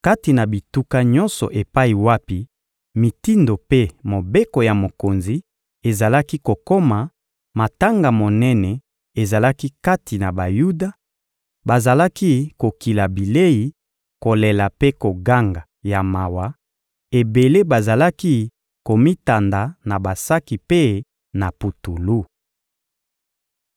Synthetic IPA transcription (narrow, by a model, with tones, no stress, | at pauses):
ka˦ti˨na˨bi˨tu˦ka˦ɲɔ̃˦nsɔ˨ʔe˨pa˦i˨wa˦pi˨ | mi˨ti˦ndo˨pe˦mo˨be˦ko˨ja˨mo˨ko˨nzi˨ | e˨za˨la˦ki˦ko˨ko˦ma˨ | ma˨ta˦ŋɡa˨mo˨nɛ˦nɛ˨ | e˨za˨la˦ki˦ka˦tʰi˨na˨ba˨ju˦da˨ | ba˨za˨la˦ki˦ko˨ki˨la˨bi˨le˦ji˨ | ko˨le˨la˨pe˦ko˨ɡa˦ŋɡa˨ | ja˨ma˨wa˨ | e˨be˨le˦ba˨za˨la˦ki˦ | ko˨mi˦ta˨nda˨na˨ba˨sa˦ki˨pe˦ | na˨pu˨tu˨lu˦